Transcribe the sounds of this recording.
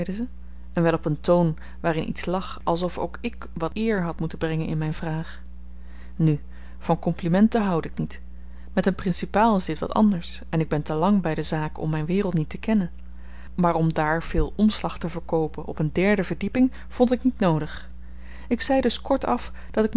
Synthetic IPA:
jdəzə | ɛnʋɛlˠɔpəntown | ʋaːrɪnʔḭtslɑχɑ̰lˠs̬ɔfo̰wkɪk | ʋɑtɪːɹɦɑtmutənbrɛŋənɪ̰nmɛjnvraːχ | ny | v̥ɑnkɔmplimɛntəɦɑwdɪknit | mɛtənprɪnsipaːlˠɪzdɪtʋɑ̰tɑ̰ndəɹs | ɛnɪɡ̚bɛntəlɑŋbɛjdəzaːkɔ̰mːɛjnʋɪːrəlˠtnitəkɛnən | maːɹɔmdaːɹv̥ɪːlˠʔɔmslɑχtəvəɹkowpənʔɔ̰pəndɛɹdəvəɹdipɪŋ | v̥ɔntɪknitnowdəχ | ɪksɛjdɵskɔɹtɑf | d̥ɑtɪkm

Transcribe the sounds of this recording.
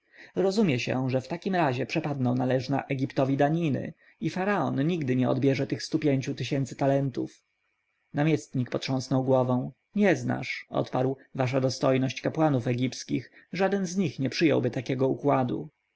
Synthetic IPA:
ɾɔzumʲjɛɕɛ̰ʐɛft̪akʲimɾaʑɛpʂɛpad̪nɔw̃nalɛʐna̰ʔɛɡʲipt̪ɔvʲid̪aɲinɘ̰ | ifaɾaɔ̰nːiɡd̪ɘɲɛɔ̰d̪bʲjɛʐɛt̪ɘxst̪upʲjeɲt͡ɕut̪ɘɕɛnt̪sɘ̥t̪alɛnt̪ṵf | namʲjɛst̪ɲikpɔt̪ʂɔ̃w̃snɔwɡwɔvɛ̃w̃ | ɲɛzna̰ʂɔ̰t̪paɾwvaʂ̬ad̪ɔst̪ɔjnɔɕt͡ɕkapwanufɛɡʲipskʲixʐad̪ɛnzɲixɲɛpʂɘjɔ̰wbɘt̪akʲɛɡɔukwad̪ṵ

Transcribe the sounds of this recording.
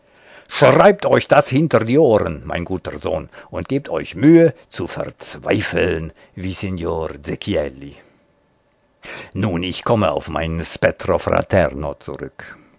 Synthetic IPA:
ʃʁ̥aɪp̚tɔʏçd̥ashɪntəʁdiːʔoːʁənmaɪnɡuːtəʁzo̰ːnʔʊnt̚ɡ̥iːp̚tʰɔʏçmyːət͡sufɛ̰ʁt͡sv̥a̰ɪfl̩n | viːsenjoːʁzekʰiɛli | nuːnɪçkʰɔməa̰ʊfma̰ɪnəspɛtʁofʁa̰tʰɛ̰ʁno̰t͡sṵʁʏ̰k

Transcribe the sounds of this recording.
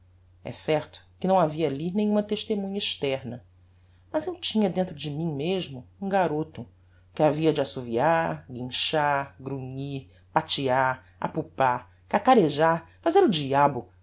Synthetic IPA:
ɛ̰sɛɾt̪ʊ̥kɪnɐ̃w̃aviɐːlinẽj̃ũmɐt̪eʃt̪emũɲɐiʃt̪ɛɾnɐ | mɐzewt͡ʃĩɲɐd̪ẽnt̪ɾʊd͡ʒɪmĩŋmeʒmʊũɡaɾot̪ʊ | kɪaviɐd͡ʒɪasuviaɾɡĩʃaɾɡɾuɲiɾ | pat͡ʃiaɾ | a̰pupaɾ | kakaɾeʒaɾfazeɾʊd͡ʒiabʊ

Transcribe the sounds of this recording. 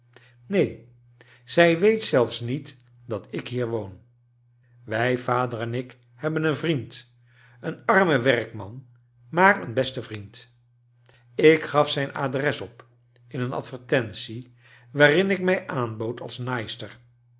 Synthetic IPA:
nej | z̥ɛjʋejtsɛlˠfsnit | d̥ɑtɪkɦiːɹʋown | ʋɛjvaːdərɛnɪk | hɛbənənvrint | ənɑɹməʋɛrkmɑ̰n | maːrənbɛstəvrint | ɪkχɑfsɛjna̰ːdrɛsɔp | ɪnənɑ̰tfəɹtɛnsi | ʋaːrɪnɪkmɛjʔaːnbowtʰɑ̰lˠsnajstəɹ

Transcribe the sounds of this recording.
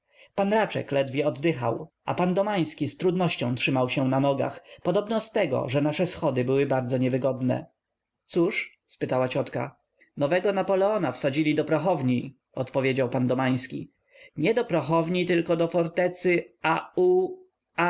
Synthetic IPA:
panɾat͡ʂɛ̰klɛd̪vʲjɛɔd̪ːɘxa̰wʔa̰pand̪ɔmaj̃skʲist̪ɾud̪nɔɕt͡ɕɔ̃w̃tʂɘmawɕɛnanɔɡa̰xpɔd̪ɔbnɔst̪ɛɡɔ̰ʐɛnaʂɛsxɔd̪ɘbɘwɘbaɾd̪zɔɲɛvɘɡɔd̪nɛ̰ | t̪suʂ | spɘt̪awat͡ɕɔt̪ka̰ | nɔvɛɡɔnapɔlɛɔnafsad͡ʑilʲid̪ɔpɾɔxɔvɲi | ɔt̪pɔvʲjed͡ʑawpand̪ɔmaj̃skʲḭ | ɲɛd̪ɔpɾɔxɔvɲit̪ɘlkɔd̪ɔfɔɾt̪ɛt̪sɘau

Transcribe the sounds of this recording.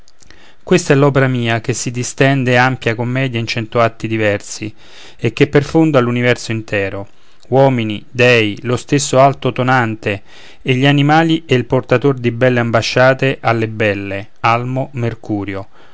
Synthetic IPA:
kwest̪aɛlːɔːpeɾamiːak̟esːid̪ist̪ɛnd̪eampjakomːɛːd̪jaint͡ʃɛnt̪oat̪ːid̪ivɛrsi | ek̟ːepːerfond̪alunivɛrsoint̪ʰɛːɾo | wɔːminid̪ɛjlost̪esːoalt̪ot̪onant̪e | eʎːianimaːliɛilport̪at̪ord̪ibɛlːeambaʃːaːt̪eʔalːebɛlːe | almomerkuːɾjo

